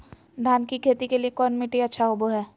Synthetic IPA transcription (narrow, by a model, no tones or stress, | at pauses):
d̪ʱaːnkikʰeːt̪ikeliekɔːnmiʈiɐtːʃʰaɦoboɦɛː